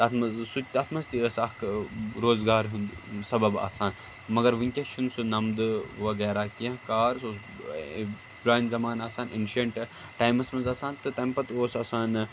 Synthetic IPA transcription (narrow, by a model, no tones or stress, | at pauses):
ɐt̪ʰmɐsut̪ɐt̪ʰmɐst̪iːɾɐsɐkɾoːzɡaːɾɦund̪sɐbɐba̰ːsaːn | mɐɡɐɾʋiŋkʲɐt͡ʃʰunsunɐmd̪ɨʋɐɡɛːɾaːkiɐ̃ɦkaːɾsoː | bɾaːinzɐmaːnaːsaːnenʃɐɳʈ | ʈaːjmɐsmɐzɐːsaːnt̪ɨt̪ɐmpɐt̪oːsɐsaːn